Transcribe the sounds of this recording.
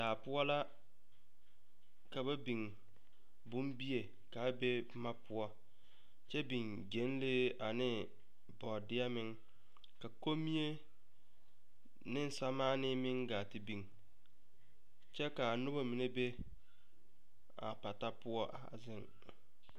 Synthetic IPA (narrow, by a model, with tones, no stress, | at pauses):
daː˨pʊ˦ɔ˦la˦ | ka˨βa˦bi˨ŋ | bʊ˦mbi˦e˨ | ka˨˦be˦ | ma˦pʊ˦ɔ˦ | t͡ʃɛ˦bi˨ŋ | d͡ʒe˨˦n˦leː˦a˨nɪ˦ | bɔ˨dɪ˦a˦mɪ˦ŋ | ka˨ko˦mi˦e˦ | nɪ˦n˦sa˦maː˦nɪ˦mɪ˦ŋɡaː˨tɪ˦bi˨ŋ | t͡ʃɛ˦ka˨nʊ˦ba˦mi˨ne˦be˦ | a̰˨pa˨ta˦pʊ˦ɔ˦ʔa̰˨zɪ˦ŋ